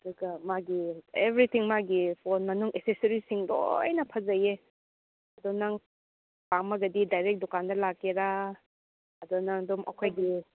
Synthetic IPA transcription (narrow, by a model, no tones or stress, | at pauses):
duɡɐmaɡiebɾit̪ʰiŋmaɡipʰonmɐnuŋʔesesɐɾisiŋdo̰jnɐpʰɐzɐje | ɐdɔnaŋ | pamɐɡɐdidajɾek̚dɔkandɐlakːeɾa | ɐdɔnaŋdɔmʔɐ̰kʰojɡi